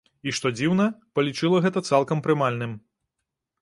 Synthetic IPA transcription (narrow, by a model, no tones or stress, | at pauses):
iʂt̪ɔd͡zʲiwnɐpɐlʲit͡ʂɨlˠɐɣɛt̪ɐt̪salˠkɐmpɾɨmalʲnɨm